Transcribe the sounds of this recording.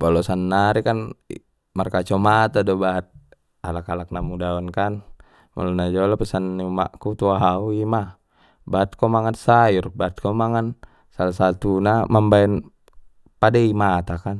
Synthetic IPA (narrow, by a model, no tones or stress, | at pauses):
bɔlɔsanːaɾikan | markat͡ʃɔmat̪adɔbaɦat̪̚ | alakalak̚namudaɔnkan | mɔ̰lɔnad͡ʒɔlapɛsanːiuma̰ʔkut̪uaɦauima | baɦat̪̚kɔmaŋansaurbaat̪̚kɔmaŋan | salasat̪unamambaɛn | padaimat̪akan